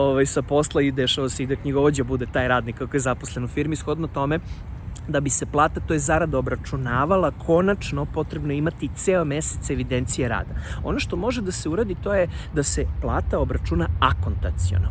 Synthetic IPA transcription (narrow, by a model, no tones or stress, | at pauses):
oʋajsapo̞slˠaid̪eʃaʋaseid̪akɲiɡood͡ʑabud̪et̪aːjɾaːd̪nikːakojezaposlˠenufiɾmisxo̞d̪not̪o̞me | d̪abise̞plˠaːt̪at̪ojezaɾad̪aobɾat͡ʃunaːʋalˠakʰo̞nat͡ʃno̞po̞t̪ɾebnojeimat̪it̪seːomeset̪seʋid̪ent̪sijeɾa̰ːd̪ao̞̰noʃt̪o̞mo̞ʒed̪aseuɾad̪it̪oːjed̪aseplˠa̰ːt̪aobɾat͡ʃunaakont̪at̪sio̰no